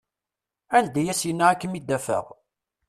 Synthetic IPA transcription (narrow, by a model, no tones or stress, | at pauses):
æld̪æjæsjənːaækːəmid̪ːæfə̰ʁ